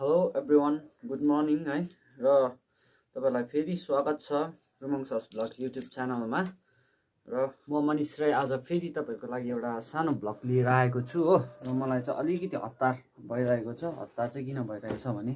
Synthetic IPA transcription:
ɦeloebriwʌnɡuɖmɔrniŋɦʌj | rʌ | t̪ʌpaĩlajpʰeɾiswaɡʌt̪̚t͡sʰʌ | rumʌŋsasblʌkjuʈjub̚t͡sanʌlma | rʌmʌmʌnisrajad͡zʌpʰeɾit̪ʌpaĩkolaɡiewʈasanoblʌɡliɾaɦekot͡sʰuɦorʌmʌlajt͡sʌ̃j̃ʔʌlikʌt̪iɦʌ̰t̪ːar | bʱʌjɾaekot͡sʰʌɦʌ̰t̪ːart͡sʌj̃kinʌbʱʌjɾaet͡sʰʌbʱʌne

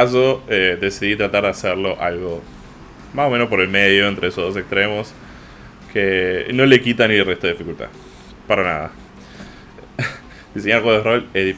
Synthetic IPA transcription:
z̬o̞ed̪e̞siðit̪ɾat̪aɾðeaseɾlo̞ʔalɣo̞ | maso̞me̞nospo̞ɾelmeðjo̞ent̪ɾeesoɦðo̞se̞kst̪ɾemo̞s | kʰeno̞le̞kit̪anilret̪oeifikult̪a̰ | paɾana̰ða̰ | d̪̥iseɲaɾlɣwoðerolehði

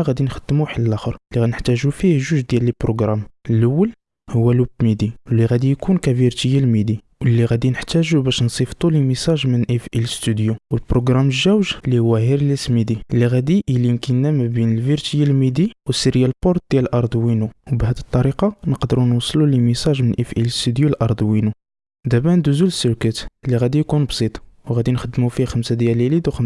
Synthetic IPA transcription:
ɣæd̪inxəd̪̥ːəmuħləlʔæxəɾlːiɣænəħt̪æʒufihʒuʒd̪jæləlpɾoɡɾɑməlʔəwːəl | hʊwːælubmid̪iwlːiɣæd̪ijkʰunkæviɾt̪əjælmid̪i | wəlːiɣæd̪inəħt̪æʒubæʃnsˤift̪ˤulimisɑʒmənʔifʔiləst̪ud̪juwəlpɾoɡɾɑməʒːæwʒlihʊwːæɦiɾləsmid̪iəlːiɣæd̪iʔlinkinːæmæbinəlviɾt̪jilmid̪iwəsəɾjælpɔɾt̪̚d̪̥jælʔɑɾˤd̪winuwbɦæd̪ət̪ˤːɑɾiqɑnəqd̪əɾunwɑsˤlulimisɑʒmənʔifʔiləst̪yd̪julʔɑɾˤd̪ˤwinu | d̪æbænd̪uzuləsːəɾkət̪əlːiɣæd̪ijkunbsˤit̪ˤwɣæd̪inxəd̪ːmufixəmsad̪jælilid̪uxəm

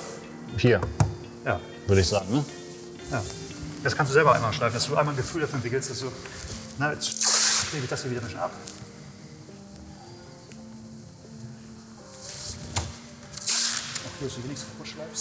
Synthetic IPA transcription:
hiːɐ | jaː | vʏɐɾəɪçz̥aːɡŋ̩nə | jaː | d̥askʰanstd̥uzɛlbɐʔaɪmaʃlaɪfn̩d̥asd̥uːʔaɪnmaːlnɡəfyːldafyːɐɛntvɪkl̩std̥asd̥uːnəsheːbɪçd̥ashiːiːdɐmɪʃn̩ʔa̰p | ɔd̥ʰuːdasd̥uːveːnɪçstfʊʃlaɪfst

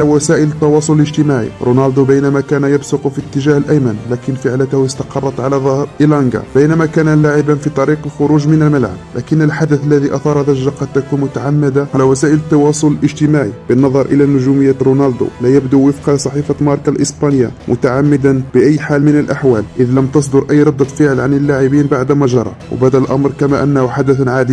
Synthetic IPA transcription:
æwæsæʔələt̪ːɑwɑsˤʊlələʒt̪əmaʕḭɾˤʔunɑld̪ubəjnæmækænæjəbsʊqufit̪ːəʒahəlʔæjmənlækənfəʕlət̪hjəst̪ɑ̥qɑrˤːɑt̪ˤʕalæðˤɑhɾʔilɑnɡa̰b̥əjnæmækænælaʕɪbanfit̪ˤɑɾiqəlxʊɾuʒmənəlməlʕa̰b̚lʔæ̰kənːəlħad̪əθəlːæðiʔɑθɑɾˤɑðæʒːaqɑd̪̚t̪ːækunmʊt̪aʕamːəd̪aʕalæwæsæːʔələt̪ːɑwɑsˤʊləlʔəʒt̪əmaʕḭbənːɑðˤɑɾˤʔə̰lænʊʒuməjːæɾunɑld̪ṵlæjæbd̪uwəfqɑsˤɑħifamɑɾˤkalʔəsbɑnja̰mʔʊt̪aʕamːəd̪anb̥əʔæjːħalmənəlʔaħwælʔəðləmt̪ɑsˤd̪ʊɾˤʔæjːɾˤɑd̪ːfəʕəlʕanəlːaʕəbinbaʕd̪mæʒɑɾˤɑ̰w̰bæd̪ælʔɑ̰mɾˤkæmæʔənːæhuħad̪əθnʕad̪i

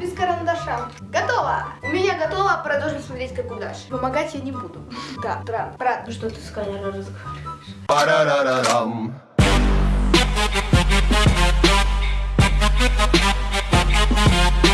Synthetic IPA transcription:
bʲɪskəɾɐnd̪ɐʂam | ɡɐt̪ovə̰ʊmʲɪnʲaɡɐt̪ovəpɾɐd̪oʐətʲsʲmɐt̪ɾʲetʲkɐkʊd̪a̰ʂpəmɐɡatʲjanʲɪbud̪ʊd̪ad̪ɾapɾaʂt̪ot̪ɨ̥skanʲanɾəzɡɐvaɾʲʊɪʂpɐɾaɾaɾaɾam

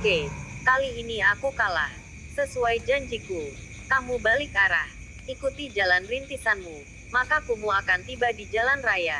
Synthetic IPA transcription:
kekaliːniakukalah | səsuajd͡ʒaɲd͡ʒiku | kamubalɪkaɾah | ikut̪id͡ʒalanrint̪isanmu | makakumuakant̪ibadid͡ʒalanraja

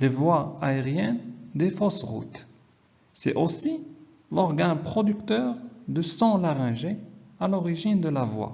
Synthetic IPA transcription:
levwaaeʁjɛnd̪efɔsʁṵt̪ | sɛ̰ʔosi | lɔʁɡãpχɔd̪ykt̪œːʁd̪əsɑ̃laʁɛ̃ʒealɔʁiʒind̪əlavwa̰

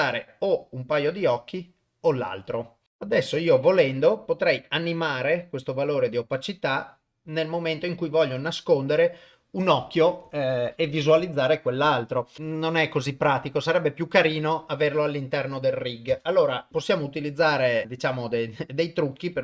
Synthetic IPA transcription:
aːɾeoumpajod̪iɔkːi | olːa̰lt̪ɾo | ad̪ɛsːoiːovolɛnd̪opot̪ɾɛjanːimaːɾekwest̪ovaloːɾed̪iopat͡ʃit̪a | nelmoment̪oiŋkujvɔʎːonaskond̪eɾe | unɔkːjo | evizualid̪zːaːɾekwelːalt̪ɾononɛkːozipːɾaːt̪ikosaɾɛbːepjukːaɾiːnoaverloalːint̪ɛrnod̪elriɡalːoːɾaposːjaːmout̪ilid̪zːaːɾed̪it͡ʃaːmod̪ed̪ejt̪ɾukːipe

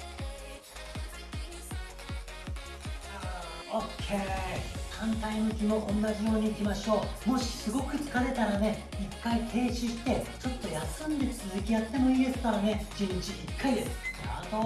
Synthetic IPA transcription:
a | okʰekʰãnt̪ainɯkʲimo̞ʔõ̞nːaʑijo̞ːɲ̟iːkʲimaɕo̞ːmo̞ɕi̥sɨɡo̞kɯ̟t͡sɨ̥kaɾe̞t̪aɾane̞ | ikːait̪ʰe̞ːɕiɕi̥t̪e̞t͡ɕo̞t̪ːo̞jasɨ̃nd̪e̞t͡sɨzɨkʲijat̪ːe̞mo̞iːd̪esɨ̥t̪oɾane̞d͡ʑĩɲt͡ɕiʔikʰːaid̪esɨ̥at̪o

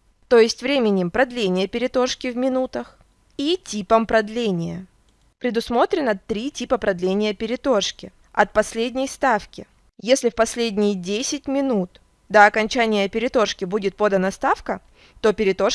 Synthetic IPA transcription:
t̪o̞jɪsʲtʲvɾʲemʲɪnʲɪmpɾɐd̪lʲenʲɪjəpʲɪɾʲɪt̪o̞ʂkʲɪvmʲɪnut̪əx | itʲipəmpɾɐd̪lʲenʲɪjə | pɾʲɪd̪ʊsmo̞t̪ɾʲɪnət̪ɾʲitʲipəpɾɐd̪lʲenʲɪjəpʲɪɾʲɪt̪o̞ʂkʲɪ | ɐt̪̚pɐsʲlʲedʲnʲɪjst̪afkʲɪ | jesʲlʲɪfpɐsʲlʲedʲnʲɪjdʲesʲɪtʲmʲɪnut̪ | d̪aɐkɐnʲt͡ɕænʲɪjəɐpʲɪɾʲɪt̪o̞ʂkʲɪbudʲɪt̪̚po̞d̪ənəst̪afkə | t̪o̞pʲɪɾʲɪt̪o̞ʂ

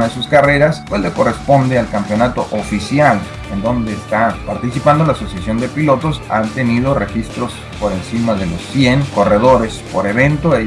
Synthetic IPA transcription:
aðesuskare̞ɾaspwezle̞ko̞re̞spo̞nd̪ealkampjo̞nat̪o̞ʔofisjal | e̞nd̪o̞nd̪e̞ːst̪apaɾt̪isipand̪onlasosjasjo̞nd̪e̞pilo̞t̪o̞sa̰nt̪e̞nið̞o̞re̞xist̪ɾo̞s | po̞ɾe̞nsimaðe̞lo̞sːje̞ŋko̞re̞ðo̞ɾe̞spo̞ɾe̞βe̞nt̪oe

